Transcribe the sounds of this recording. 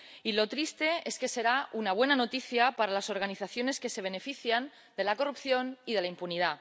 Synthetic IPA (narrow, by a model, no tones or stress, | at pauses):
ilo̞t̪ɾist̪e̞eske̞se̞ɾaunaβ̞we̞nano̞t̪iθjapaɾalaso̞ɾɣ̞aniθaθjo̞ne̞ske̞se̞β̞e̞ne̞fiθjan | d̪e̞lako̞rupθjo̞niðe̞laimpunið̞a